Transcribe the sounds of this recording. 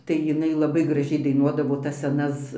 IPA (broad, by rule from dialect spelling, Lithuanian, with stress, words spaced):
tɐɪ jɪˈnɐɪ lˠɐˈbɐɪ ɡrɐˈʒʲɛɪ dɐɪˈnuɔdɐʋoː tɐs sʲɛˈnɐs